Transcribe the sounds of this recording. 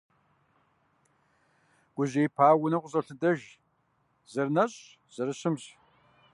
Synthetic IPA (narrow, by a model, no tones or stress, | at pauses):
ɡ̥ʷʊʑejpʰaːwʊnɐqʷʼʊɕʼɐɬɨdɐʒ | zɐrnɐɕʼ | z̥ɐɾɨɕɪmɕ